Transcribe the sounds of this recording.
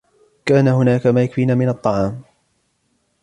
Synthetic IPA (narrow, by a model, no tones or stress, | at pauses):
kaːnahʊnaːkamajakfiːnaːmɪnɑt̪ˤːɑʕɑːm